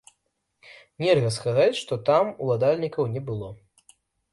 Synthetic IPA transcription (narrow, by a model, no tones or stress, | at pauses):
nʲɛrɣɐskazat͡sʲʂt̪ɔt̪amṵlˠad̪alʲnʲikɐwnʲɛbɨlˠɔ